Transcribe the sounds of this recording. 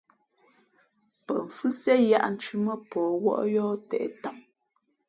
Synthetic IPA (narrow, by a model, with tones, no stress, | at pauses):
pə̰˨ɱ̩˨fʉ˦sɛ˦ja̰˦ʔn̩˨t͡ʃʉ˦mə˦pɔː˨wɔ̰˦ʔjɔː˦tɛ̰˨ʔɛ̰˨ta˨m